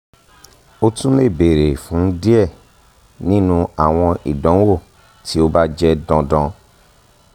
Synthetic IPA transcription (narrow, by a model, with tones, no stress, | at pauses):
o˦tũ˦le˦˨be˨ɾe˨fũ˨˦n̩˦di˦ɛ˦˨ | nĩ˦nũ˧a˨w̃ɔ̃˧ḭ˨dɔ̃˨˦wo˦˨ | tʰi˦o˦ba˦d͡ʒɛ˦dɔ̃˧dɔ̃˧